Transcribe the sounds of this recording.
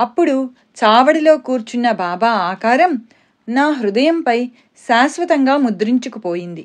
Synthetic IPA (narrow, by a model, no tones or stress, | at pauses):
ɐpːuɽu | t͡ʃaːʋɐɽilo̞ːkuːɾt͡ʃunːɐbaːbaːaːkaːɾɐm | naːɦɾud̪ɐjɐmpɐj | ʃaːsʋɐt̪ɐŋɡaːmud̪ɾiɲt͡ʃukupoːjind̪i